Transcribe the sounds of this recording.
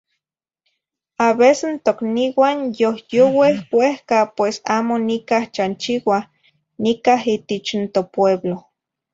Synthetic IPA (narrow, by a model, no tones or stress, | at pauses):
aβesent̪okniwanjohjowehwehkapwesaːmonikaht͡ʃant͡ʃiwah | nikaɦit̪et͡ʃnt̪opweβlo